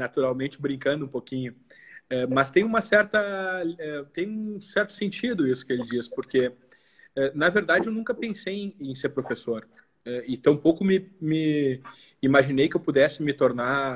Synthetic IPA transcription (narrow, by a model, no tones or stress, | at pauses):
nat̪uɾawmẽnt͡ʃɪbɾĩŋkɐ̃nd̪ʊũpokĩɲʊɛmɐst̪ẽj̃ũmɐsɛɾt̪ɐɛt̪ẽj̃ũsɛɾt̪ʊ̥sẽnt͡ʃid̪ʊisʊ̥kɪelɪd͡ʒispoɾke | ɛnɐveɾd̪ad͡ʒɪewnũŋkɐpẽsejẽj̃ẽj̃seɾpɾofesoɾ | ɛit̪ɐ̃w̃powkʊmɪmɪ | imaʒinejkɪewpud̪ɛsɪmɪt̪oɾna